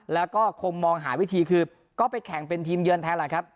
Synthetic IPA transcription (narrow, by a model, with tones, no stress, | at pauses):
lɛː˦˥wkɔː˥˩kʰo˧ŋmɔː˧ŋɦaː˩˦wi˦˥t̪ʰiː˧kʰɯː˧ | kɔː˥˩pa˧jkʰɛ˨˩˦ŋpe˧nt̪ʰiː˧mjɯ˧nt̪ʰɛː˦˥la˨˩˦jkʰa˦˥p̚